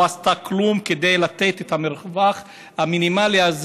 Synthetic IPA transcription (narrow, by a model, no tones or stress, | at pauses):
ast̪aklumked̪ejlat̪et̪et̪hameɾχvaχ | haminimaliaz